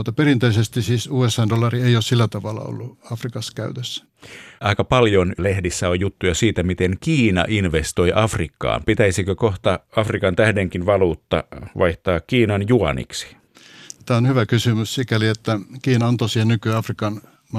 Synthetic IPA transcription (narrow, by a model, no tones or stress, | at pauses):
ut̪ːɑperint̪eisest̪isiːsuːesɑːndolːˑɑrieioːssilːæt̪ɑʋɑlːɑ̰o̰lːuɑfrikɑskæyt̪øsːæ̥ | ɑikɑpɑljonlehdisːæojjut̪ːujɑsiːt̪æmit̪eŋkiːnɑ̰ʔinʋest̪oiʔɑfrikːɑ̰ːmpit̪æisikøkoht̪ɑɑfrikɑnt̪æhdeŋkinʋɑluːt̪ːɑ̰ʋɑiht̪ɑːkkiːnɑnjuɑ̰nḭksi̥ | t̪æːonhyʋækysymyssikæliet̪ːækiːnɑont̪osienykyɑfrikɑn | mɑ